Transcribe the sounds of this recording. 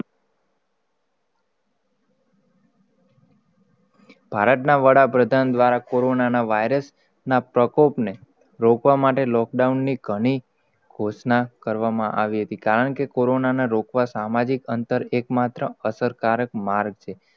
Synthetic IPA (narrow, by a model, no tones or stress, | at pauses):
b̥ʱaɾət̪naʋəɽapɾəd̪ʱand̪ʋaɾakoɾonanaʋaiɾəs | napɾəkopne | ɾokʋamaʈelɔk̚ɖaunːiɡʱəɽ̃i | ɡ̥ʱosnakəɾʋamãʔaʋiɦət̪ikaɾəɳkekoɾonaneɾokʋasamad͡ʒikənt̪əɾekmat̪ɾəəsəɾkaɾək̚maɾɡ̚t͡ʃʰe